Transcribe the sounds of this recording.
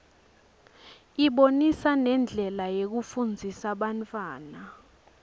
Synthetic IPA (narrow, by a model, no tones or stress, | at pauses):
iɓonisanɛnd͡ɮʱɛlajek̬ufund͡zʱisaɓantʼwaːna